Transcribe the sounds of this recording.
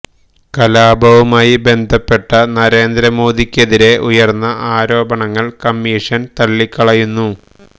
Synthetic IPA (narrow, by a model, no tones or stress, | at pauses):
kɐlaːbʱɐʋumaːjibe̞nd̪ʱɐpːe̞ʈːɐnɐɾe̞ːnd̪ɾɐmo̞ːd̪ikʲːeðiɾe̞ʔujɐrnːɐʔaːɾo̞ːbɐɳɐŋːɐɭkɐmːiːʂɐnt̪ɐlːikːɐɭɐjunːu